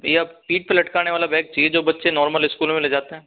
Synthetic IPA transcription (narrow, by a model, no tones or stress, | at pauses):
japiːʈ̚pelɐʈkaːneʋaːlabɛ̃ːk̚t͡ʃɐied͡ʒoːbɐtːʃenɔːɾməlɪskuːlmẽled͡ʒaːt̪eɦɛ̃ː